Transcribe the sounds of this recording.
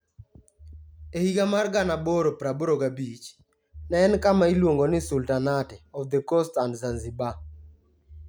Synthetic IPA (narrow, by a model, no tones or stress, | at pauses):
ehiɡamarɡanaboɾopɾaboɾoɡabit͡ʃ | nɛnkamailwoŋɡonɪsultanatɛɔfd̪əkostandzanziba